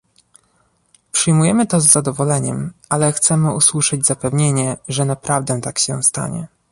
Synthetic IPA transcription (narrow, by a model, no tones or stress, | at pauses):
pʂɘjmujɛmɘt̪ɔzːad̪ɔvɔlɛɲɛmalɛxt̪sɛmɘuswuʂɘd͡ʑzapɛvɲeɲɛʐɛnapɾavd̪ɛt̪akɕɛst̪a̰ɲɛ̰